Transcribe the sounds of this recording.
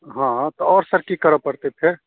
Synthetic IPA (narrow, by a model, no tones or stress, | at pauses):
ɦãt̪ɔɔːɾsəɾkikəɾəpəɾt̪epʰeɾ